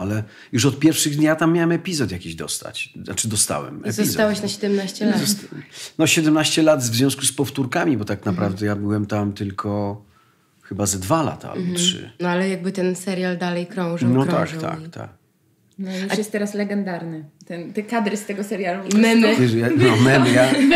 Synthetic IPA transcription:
alɛ | juʂɔt̪̚pʲjɛɾfʂɘɣd̪ɲjat̪amːjawɛmɛpʲizɔt̪jakʲiʑd̪ɔ̰st̪a̰t͡ɕnat͡ʂɘd̪ɔst̪a̰wɛ̰mɛzɔszt̪awɛɕnaɕɛd̪ɛmnaɕt͡ɕɛlazɔt̪nɔɕɛd̪ɛmnaɕt͡ɕɛlat̪zvzʲjɔ̃w̃skuspɔft̪uɾkamʲibɔt̪aknapɾavd̪ɛjabɘwɛmt̪amt̪ɘlkʰɔ | xɘbazad̪vala̰t̪a̰a̰lbɔtʂɘ̰nɔalɛjaɡ̚bɘt̪ɛnsɛɾjald̪alɛjkɾɔ̃w̃ʐnɔɾa̰k̪a̰t̪ʰa̰k | nɔjuʂajɛst̪ːɛɾaslɛɡɛnd̪aɾnɛt̪ɛnt̪ɛkad̪ɾɨst̪ɛɡɔsɛɾjalumɛmɛjanɔmɛmja

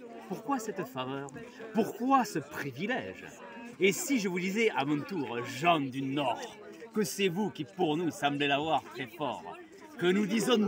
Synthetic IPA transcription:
puʁkwasɛt̪favœʁpuʁkwasəpχivilɛ̰ʒ | esiʒəvud̪izɛʔamɔ̃t̪uʁʒɑ̃d̪ynɔʁ | kəsevukʲipuʁnusɑ̃blelavwaʁt̪χɛfɔ̰ʁ | kənud̪izɔ̃

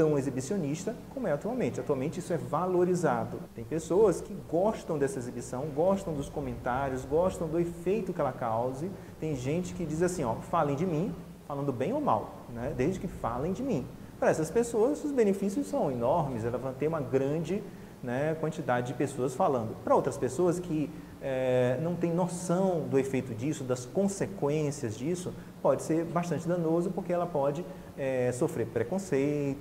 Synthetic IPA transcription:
t̪ɐ̃w̃ezibisioniʃt̪ɐkõmʊɛat̪uawmẽnt͡ʃɪat̪uawmẽnt͡ʃɪisʊɛvaloɾizad̪ʊt̪ẽj̃pesoɐskɪɡɔʃt̪ɐ̃w̃d̪ɛsɐezibisɐ̃w̃ɡɔʃt̪ɐ̃w̃d̪ʊskõmẽnt̪aɾjʊzɡɔʃt̪ɐ̃w̃d̪ʊefejt̪ʊkɪɛlɐkawzɪ | t̪ẽj̃ʒẽnt͡ʃɪ̥kɪd͡ʒizasĩɔfalẽj̃d͡ʒɪmĩ | falɐ̃nd̪ʊbẽj̃oma̰w | nɛd̪ezd͡ʒɪkɪfalẽj̃d͡ʒɪmĩ | pɾɐɛsɐspesoɐzʊzbẽnefisijʊssɐ̃w̃enɔɾmɪsɛlɐvãt̪ẽj̃ũmɐɡɾɐ̃d͡ʒɪ | nɛkwɐ̃nt͡ʃid̪ad͡ʒɪd͡ʒɪpesoɐsfalɐ̃nd̪ʊpɾɐowt̪ɾɐspesoɐskʰɪ | ɛnɐ̃w̃t̪ẽj̃nosɐ̃w̃d̪ʊefejt̪ʊd͡ʒisʊd̪ɐskõsekwẽsiɐzd͡ʒisʊ | pɔd͡ʒɪseɾbaʃt̪ɐ̃nt͡ʃɪd̪ɐ̃nozɐpʊɾkeɛlɐpɔd͡ʒɪ | ɛsofɾeɾpɾekõsejt̪ʊ

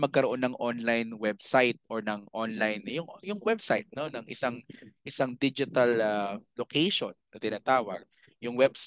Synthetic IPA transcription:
mɐɡ̚kɐɾoʔo̞nːɐŋʔonlajnwɛb̚sajt̪̚ʔoɹnɐŋʔonlajnjʊŋjʊŋwɛb̚sajt̪̚nonɐŋʔɪ̰saŋʔɪsaŋd̪id͡ʒɪt̪ɐlalokɛjʃonːɐt̪ɪnaːt̪aːwɐ̰ɡ̚ | jʊŋwɛbs

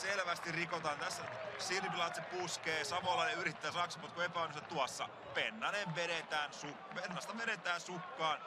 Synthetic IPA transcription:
selʋæst̪irrikot̪ɑːnt̪æsːæsirpilɑːt̪sepuskeːsɑmɑːlːɑlyrit̪ːæːsɑksɑpot̪kuepæonosɑtt̪uɑsːɑ̰ | penːɑneʋʋeɾet̪æːnsukpenːɑst̪ɑʋeɾet̪æːnsukːɑːn

